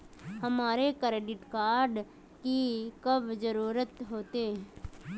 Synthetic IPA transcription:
hɐmaːɾekɾeːɖɪʈkaːɾɖ | kikəbd͡ʒəɾuːɾət̪ɦoːt̪eː

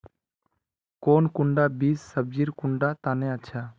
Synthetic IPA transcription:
koːnkʊɳɖaːbiːsːəb̚d͡ʒiːɾkʊɳɖaːt̪aːnẽːətːʃʰaː

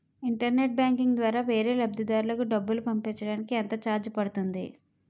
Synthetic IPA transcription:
iɳʈɐɾne̞ʈ̚bjaːŋkiŋd̪ʋaːɾaːʋe̞ːɾe̞ːlɐbd̪id̪aːɾulɐkuɖɐbːulupɐmpiːt͡ʃːɐɽaːnikiɐnt̪ɐt͡ʃaːɾd͡ʒpɐɽut̪und̪ḭ

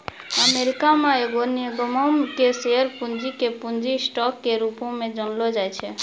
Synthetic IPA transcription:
əmeɾikameeɡoniəɡəməmkeseəɾpund͡ʒikepund͡ʒisʈɔkːeɾupõmed͡ʒənlɔd͡ʒajt͡ʃʰɛ

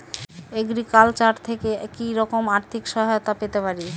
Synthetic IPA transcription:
eɡɾikalt͡ɕaɾt̪ʰekekiɾɔkomaɾt̪ʰikʃɔɦajot̪apet̪epaɾi

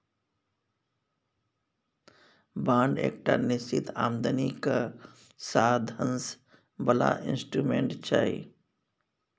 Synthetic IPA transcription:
bãːɳɖḛːk̚ʈanɪst͡ʃit̪ʰaːmd̪ənika | saːd̪ʱəns | bəla̰ʔɪ̰nsʈɾumẽɳʈt͡ʃʰa̰i

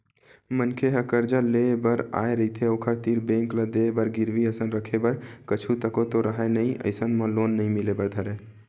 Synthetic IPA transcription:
mənkʰeɦəkəɾd͡ʒəlebəɾa̰eɾəɦit̪ʰeokʰəɾt̪iɾbẽŋklad̪ebəɾɡiɾʋiəsənɾəkʰebəɾkət͡ʃʰut̪əkot̪oɾəɦanəĩə̰ɪsənmə̃lonːəĩmilebəɾd̪ʱəɾe

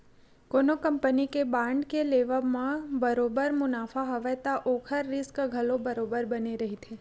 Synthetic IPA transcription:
konokəmpənikebãɳɖkeleʋəmãbəɾobəɾmʊnafaɦəʋat̪aʔokʰəɾːɪskɡʱəlobəɾobəɾbəniɾəɦit̪ʰe

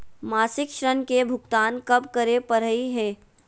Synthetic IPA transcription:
maːsɪkʃɾənkebʱʊkt̪aːnkɐbkəɾepəɾəiɦɛː

